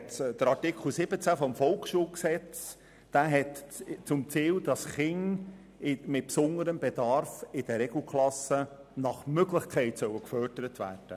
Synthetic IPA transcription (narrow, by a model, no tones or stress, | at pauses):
td̥əɾɑtɪkχəl̩ˠsɪb̥ət͡sæfɔmfɔlˠksʃuːlksɛt͡s | d̥æːɦɛtt͡sʊmt͡siːld̥ɑsχɪŋ | ɪmɪt̚psʊnəɾəmbedɑɾfɪd̥əɾɛɡl̩ˠkʰlˠɑsə | nɑχmøɡlɪχkʰɛɪtsœwəkfœːɾd̥əɾətvæ̰ːd̥ə